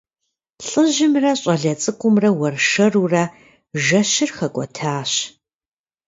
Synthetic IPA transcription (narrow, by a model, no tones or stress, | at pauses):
ɬʼɨʑɪmrɐɕʼɐɮɐt͡sʼɨkʷʼʊmrɐwɐrʃɐruːrɐ | ʒɐɕɪrxɐkʷʼɔtʰaːɕ